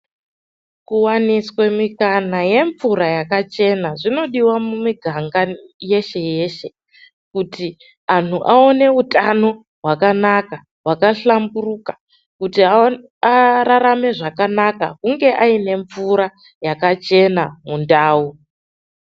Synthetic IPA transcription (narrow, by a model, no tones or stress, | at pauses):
kuwaniswe̞mikanaje̞ɱvuɾajakat͡ʃe̞naʐino̞ɗiwamumiɡʱaŋɡaje̞ʃe̞je̞ːʃe̞ | kuti | an̤uʔao̞ne̞utano̞ | ɦwakanaka | ɦwakaɬamburukḁ | kutia | aɾaɾame̞ʐakanaka̰kuŋɡe̞ʔaine̞ɱvuɾa | jakat͡ʃe̞namundaːu